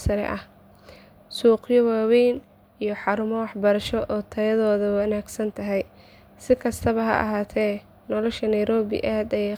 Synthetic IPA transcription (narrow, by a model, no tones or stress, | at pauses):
sɐɾɛ̰ʔɐh | suːqjɔwaːwɛjn | ijɞħɑɾʊmɔwɑħbɐɾɐʃɔʔɔːt̪ʰɐjɐðɔːðɐwɐnaːɡsɐnt̪ʰɐɦɛj | sɪkʰɐst̪ʰɐβɐɦɐ̰ʔɐ̰ɦaːt̪ʰɛː | nɔlɔʃɐnɐjɾɔːβɪ̰ʔaːd̪ɐjɛ